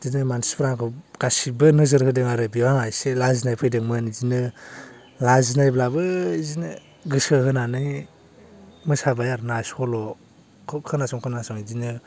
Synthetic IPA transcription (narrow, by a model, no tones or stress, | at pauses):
zinɯmansispʰɾaŋkʰɔɡ̥asibɯnɯzɯɾhɯdɯŋaɾɯbiwanajselazinajpʰɯjdɯŋmɯnzinɯ | lazinajblabɯizinɯ | ɡɯsɯhɯnanɯ | mɯsabajaɾnaskʰɔlɔ | kʰkʰɯnasɔŋkʰɯnasɔŋizinɯ